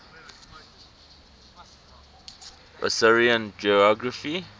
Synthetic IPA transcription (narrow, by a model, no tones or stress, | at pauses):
ɹʔə̰sɪɹiə̃nd͡ʒiɔɡɹəfi